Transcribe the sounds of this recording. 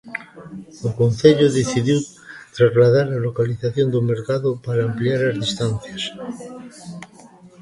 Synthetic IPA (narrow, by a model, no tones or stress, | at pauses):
okon̟θeʎoðeθiðjiw | t̪ɾazlað̞aɾalokaliθaθjond̪omeɾkaðopaɾaːmpliaɾazðist̪an̟θjas